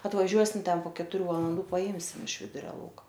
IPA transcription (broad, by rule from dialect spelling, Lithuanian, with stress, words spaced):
ɐtʋɐˈʒʲuɔsʲɪm ˈtʲɛn poː kʲɛtʊˈrʲuː ʋɐlˠɐnˈduː pɐˈɪmʲsʲɪm ɪʃ ˈʋʲɪdʊrʲɛ ˈlˠɐʊkɐ